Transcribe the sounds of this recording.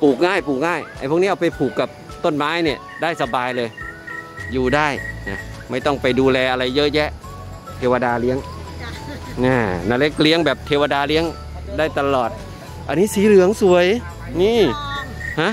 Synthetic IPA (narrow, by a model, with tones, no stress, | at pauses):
puː˨˩k̚ŋaː˥˩jpuː˨˩k̚ŋaː˥˩ja˧˩pʰu˥˩˨niː˦˥ʔa˧˩pa˧˩jpʰuː˨˩kːa˨˩p̚ | t̪o˥˩˨nmaː˦˥˨jniː˧˩ | daː˥˩jsa˧baː˧jlɤː˧j | juː˨˩daː˥˩jna˧˩ma˥˩jt̪ɔ˥˩ŋpa˧jduː˧lɛː˧ʔa˧ɾa˧jːɤ˦˥ʔjɛ˦˥ʔ | t̪ʰeː˧wa˧daː˧li˦˥əŋ | ʔaː˧˩na˧˩le˦˥k̚li˧˦˥ə˨ŋbɛː˨˩p̚t̪ʰeː˧wa˧daː˧li˦˥əŋ | daː˥˩jt̪a˧lɔː˨˩t̪̚ | ʔa˧nːiː˦˥˨siː˨˦lɯ˨˦əŋsu˨˩əj | niː˧˥˩ | ha˦˥